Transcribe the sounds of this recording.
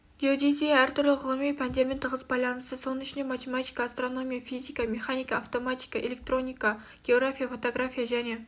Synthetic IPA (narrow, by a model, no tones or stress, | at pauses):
ɡ̥ʲeod̪esʲejaæɾt̪ʰʊɾlɪʁəlˠɨmipʰanʲd̪ʲemʲint̪ʰəʁəzbɑjlʲˠɑnʰɨ̥sɨsonɪt͡ʃnemɑt̪ʰʲemat̪ʰʲi̥kaːst̪ɾonomʲijafizʲikameχanʲikaaft̪omat̪ʲi̥kaʔelʲek̚t̪ɾonʲika | ɡ̥ʲeoɡɾafʲijafot̪oɡɾafʲijaʒæne